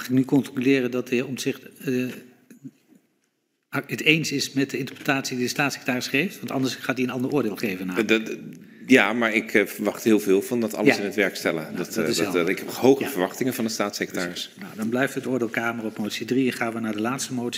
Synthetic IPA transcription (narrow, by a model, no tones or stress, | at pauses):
χɪk̚nykɔntylɪːrədɑtəɔmsɪχtə | ətejnsɪsmɛt̚dəɪntə̥ɹprətaːtsididəstaːtsɪkətaːrɪsχejftʋɑntɑ̰ndəsχaːtdiənɑndəɹʊːɹdɪːlˠχejvənaː | jamaːɹɪkvəɹʋɑχthɪːlˠvɪːlˠvɑndɔtɑ̰lɪnətʋɛɹkstɛlədɔttɪsɛɪkhɛphowχəvəɹʋɑχtɪŋənvɑndətstaːtsɪkətaːrɪsnawdɑnblɛjftɦətʊːɹdɪːlˠkaːmərɔpmowtsidriɛnχaːnʋənaːɹdəlaːtstəmowts